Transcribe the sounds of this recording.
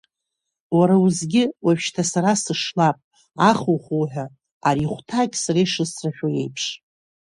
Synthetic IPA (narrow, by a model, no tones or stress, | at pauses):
waɾawuzɡʲɪwaʃtʰasaɾasɨʂlapʼ | aχuχuħʷᶣa | aɾiχʷtʰakʲʼsareʂɨsraħʲᶣoje̞̰jpʰʂ